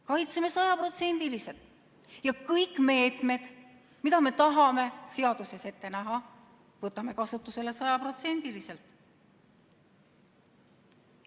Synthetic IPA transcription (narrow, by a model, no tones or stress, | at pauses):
kɑjt̪seme̞sɑjɑpro̞t̪se̞nʲd̪̥ilise̞lt̪ˑ | jɑkɤjkːˑme̞ːt̪ˑme̞d̪̥ | mid̪ɑme̞t̪ɑɦɑme̞se̞ɑd̪̥use̞se̞t̪ːe̞næɦɑ | vɤt̪ːˑɑme̞kɑsut̪ːˑuse̞le̞sɑjɑpro̞t̪se̞nʲd̪̥ilise̞lt̪ˑ